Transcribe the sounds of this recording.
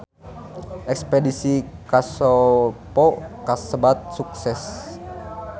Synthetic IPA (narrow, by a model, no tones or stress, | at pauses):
ʔɛkspedisikasopokasəbat̪̚suksɛs